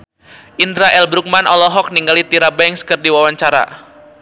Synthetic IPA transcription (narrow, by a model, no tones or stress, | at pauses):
ʔindɾaʔɛlbɾuk̚manʔɔlɔɦɔk̚niŋɡalit̪iɾabɛŋskərdiwawaɲt͡ʃaɾa̰